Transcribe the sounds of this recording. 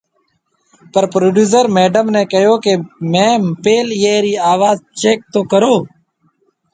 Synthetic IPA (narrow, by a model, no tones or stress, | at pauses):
pəɾpɾoːɖjuːsəɾmeːɖəmneːkəjoːkemɛ̃ːmpeːljeːɾiːaːʋaːzt͡ʃeːk̚t̪oːkəɾoː